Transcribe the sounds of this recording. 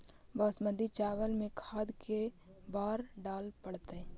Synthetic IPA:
baːsmə̃nd̪it͡ʃaːʋəlmẽkʰaːd̪ke | baːɾɖaːlpəɽt̪eɛ̃

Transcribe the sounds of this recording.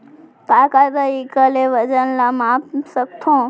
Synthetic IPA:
kakat̪əikəleʋəd͡ʒənlamapsək̚t̪ʰõ

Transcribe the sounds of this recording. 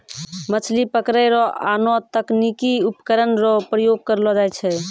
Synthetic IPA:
mət͡ʃʰlipəkɾɛɾɔa̰nɔt̪əknikiupkəɾənɾɔpɾəjoɡ̚kəɾlɔd͡ʒajt͡ʃʰɛ

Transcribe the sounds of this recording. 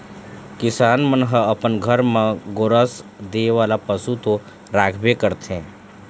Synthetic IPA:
kɪsaːnmənɦəəpənɡʱəɾmãɡoːɾəsd̪eːʋaːlapəsut̪o | ɾaːkʰbekəɾt̪ɛ̃ː

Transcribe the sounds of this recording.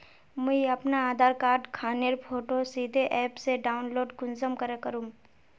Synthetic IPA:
məiɐpnaaːd̪ʱaːɾkaːɾɖkʰaːniəɾpʰoːʈosiːd̪ʱeʔɛːpseɖaːʊnloːɖkʊnzəmkəɾekəɾũː

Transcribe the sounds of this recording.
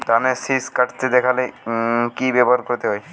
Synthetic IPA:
t̪anesiskaʈt̪ed̪ɛkʰalekibebaɾkoɾt̪eɦɔj

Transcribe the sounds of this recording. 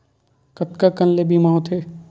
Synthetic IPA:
kɐt̪kakɐnlebimãːõt̪ʰe

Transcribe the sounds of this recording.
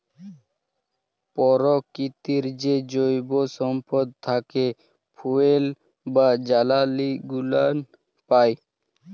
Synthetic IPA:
pɔɾɔkit̪iɾd͡ʑed͡ʑojbosɔmpɔd̪̚t̪ʰake | pʰuel | bad͡ʑalaliɡulan | paj

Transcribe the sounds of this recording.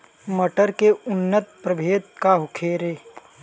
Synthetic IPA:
məʈəɾkeʊnːət̪pɾəbʱeːt̪̚kaɦʊkʰeːɾeː

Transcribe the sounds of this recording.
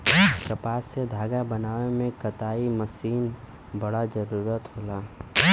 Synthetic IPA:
kəpaːsːed̪ʱaːɡabənaːwemẽkət̪aːiməsiːn | bəɽad͡ʒəɾuːɾət̪ɦoːlaː

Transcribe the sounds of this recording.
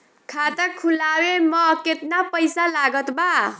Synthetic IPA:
kʰat̪əkʰulawemʌket̪napəjsalaɡət̪ba

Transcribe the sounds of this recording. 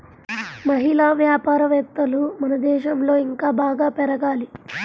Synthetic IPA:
mɐɦilaːʋjaːpaːɾɐʋɛt̪ːɐlumɐnɐd̪ɛːʃɐmlo̞ːiŋkaːbaːɡaːpɛɾɐɡaːli

